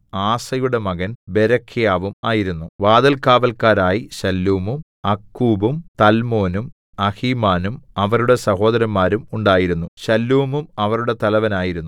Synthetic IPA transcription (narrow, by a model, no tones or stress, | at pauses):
aːsɐjuɽe̞mɐɣɐnbe̞ɾɐkʰːjaːʋumaːjiɾunːuʋaːd̪ɐlkaːʋɐlkaːɾaːjiɕɐlːuːmum | ɐkːuːbumt̪ɐlmo̞ːnum | ɐhiːmaːnumɐʋɐɾuɽe̞sɐɦo̞ːd̪ɐɾɐnmaːɾumuɳɖaːjiɾunːuɕɐlːuːmumɐʋɐɾuɽe̞t̪ɐlɐʋɐnaːjiɾunːu